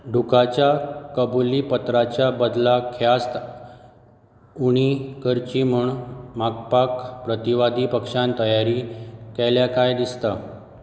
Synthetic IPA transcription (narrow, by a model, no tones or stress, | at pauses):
ɖʱukat͡ɕjakəbuliːpət̪ɾat͡ɕjabəd̪lakʰjast̪ | uɽ̃ikəɾt͡ɕimuɳmakpakpɾət̪iʋad̪ʱipəkʂãnt̪əjaɾikɛljakajd̪ist̪a